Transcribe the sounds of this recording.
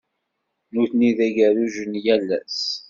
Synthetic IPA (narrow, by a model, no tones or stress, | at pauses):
nuθniðæʝæɾuʒənjælːæ̰s